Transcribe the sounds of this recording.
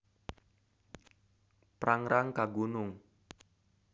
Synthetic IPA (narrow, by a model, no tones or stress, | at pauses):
pɾaŋɾaŋkaɡunʊŋ